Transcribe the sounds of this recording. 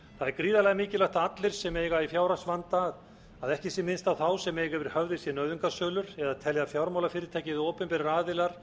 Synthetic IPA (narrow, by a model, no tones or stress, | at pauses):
θaðɛɾkɾiːðalɛɣamɪːcɪlaht̪aat̪lɪɾ̥sɛmeːjɣaifjawɾasvant̪að | aðɛhcɪsjɛmɪnst̪awθawsɛmeːjɣavɪɾ̥hœvðɪsjɛnœɥðʏŋkasœːlʏɾ̥ɛðaðt̪ʰɛljafjawɾmawlafɪːɾɪɾt̪ʰaːjcɪðɪoːpɪmpɛɾɪɾaːðɪlaɾ̥